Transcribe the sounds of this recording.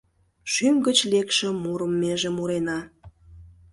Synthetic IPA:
ʃymɡət͡ɕlekʃĕmuɾəmːeʒĕmuɾenɑ

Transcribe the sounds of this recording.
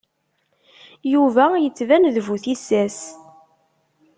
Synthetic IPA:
juvæjət͡sːvænðvuθisæs

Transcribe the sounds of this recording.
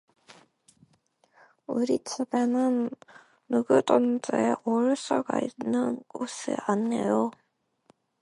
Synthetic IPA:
uɾit͡ɕʰebenɯnː | uɡɯdʌnd͡ʑeeʔoɭs͈aɡa̰inːɯnɡosʰɯ̰anːe̞̰jo

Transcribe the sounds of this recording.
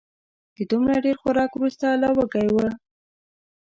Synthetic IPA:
d̪̥əd̪umɽaɖeɾxʊɾɑkwɾust̪alɑwəɡajwə

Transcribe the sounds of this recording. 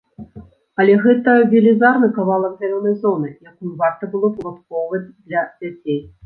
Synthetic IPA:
ɐlʲɛɣɛt̪ɐvʲelʲizarnɨkavalˠɐɡzʲalʲɔnɐjzɔnɨjakujvart̪ɐbɨlˠɔpulˠat̪kɔwvɐd͡zʲd̪lʲɐd͡zʲat͡sʲej

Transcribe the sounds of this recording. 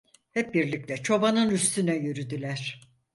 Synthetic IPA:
hɛp̚biɾlʲic̚lʲɛt͡ʃʰo̞banɯnyst̪ʰynɛjyɾyd̪ylʲæɾ̥

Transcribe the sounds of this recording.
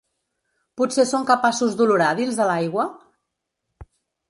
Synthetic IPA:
putsesoŋkəpasuzðuluɾaðinzðəlajɣwə

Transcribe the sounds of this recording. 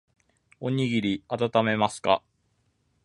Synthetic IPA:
o̞ɲ̟iɡʲiɾʲiat̪at̪ame̞masɨ̥ka̰

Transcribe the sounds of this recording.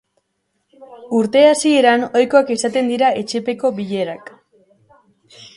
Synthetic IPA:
uɾt̪e̞asie̞ɾano̞jko̞akesat̪e̞nd̪iɾae̞t͡ʃe̞pe̞ko̞βiʎe̞ɾak

